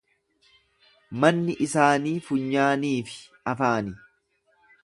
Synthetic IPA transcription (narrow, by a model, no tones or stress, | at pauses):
mɐnːɪʔɪsaːniːfʊɲːaːniːfɪ̥ | ɐfaːnɪ